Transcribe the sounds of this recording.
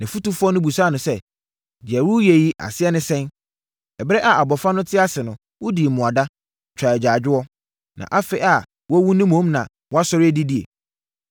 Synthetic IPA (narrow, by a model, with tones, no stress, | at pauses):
nɪ̃˨fu˦tu˦fʊ˦ɔ˦nʊ̃˦bu˨sa˦˨nʊ̃˨sɛ˦ | d͡ʑɛ˨ɾu˦je˨ji˦ʔa̰˨sɪ˦ɛ˦nɪ̃˦sɛ̃˦n | ɛ˨bɾɛ˦ʔa˨a˨bɔ˨fa˦nʊ̃˦tʰɪ˦a˦sɪ˨nʊ̃˨ | wʊ˦di˨mʊ̃˨a˨da˦ | t͡ɕʰᶣaː˨d͡ʑaː˨d͡ʑᶣɪ˦wɔ˦ | nã̰˨ʔa˦fɪ˦ʔa˨ | wɔ˦wũ˦nɪ̃˦mõ˨˦mnã˨ | wɔ˦a˦sɔ˦ɾɪ˦æ˦di˦di˦ḛ˨